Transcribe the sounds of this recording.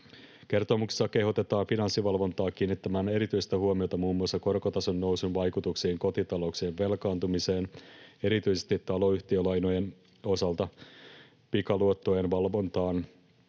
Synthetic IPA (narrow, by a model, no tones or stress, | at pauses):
ke̞rt̪omukse̥sːɑke̞hot̪e̞t̪ɑːnfinɑnsːiʋɑlʋo̞nt̪ɑːk̟iːnːit̪ːæmæːne̞ɾit̪yjst̪æhuomio̞t̪ɑmuːmːuɑsːɑko̞rkot̪ɑsonːo̞wsunʋɑjkut̪uksiːŋko̞t̪it̪ɑlo̞kseːʋʋe̞lkɑːnt̪umise̞ːne̞ɾit̪yjsest̪it̪ːɑlo̞yçt̪iølɑjno̞jen | o̞sɑlt̪ɑ | pikɑluot̪ːojenʋɑlʋo̞nt̪ɑːn